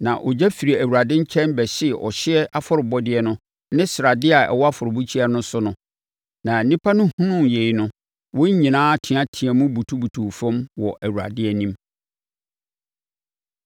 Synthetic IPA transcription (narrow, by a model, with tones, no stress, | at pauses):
nã˨ʔɔ˨d͡ʑɛ˦fi˨ɾi˨æ˨wu˨ɾa˨dɪ̃˦ɲ̩˦t͡ɕʰɛ̃˦nbɛ˨ɕɪ˦ɛ˨ʔɔ̰˨ɕɪ˦ɛ˦ʔa˦fɔ˦ɾɪ˨bɔ˦dɪ˦ɛ˦nʊ̃˦ | nɪ̃˦sɪ˨ɾa˨dɪ˦a˨ɛ̰˨wɔ˦a˦fʊ˨ɾʊ˨bu˦t͡ɕʰi˦a˦nʊ̃˦sʊ˦nʊ̃˦ | nã˨nĩ˦pʰa˦nʊ̃˦hũ˦nʊ̃˦mje˨jnʊ̃˦ | wɔ̃˦ɲ˦ɲĩ˨nãː˦tʰĩ˨a˦tʰĩ˨ã˨mʊ̃˦bu˨tʰu˦bu˨tʰu˨fɔ̃˦mwɔ˨ʔæ˨wu˨ɾa̰˨dɪ˦ɛ˦nĩ˦m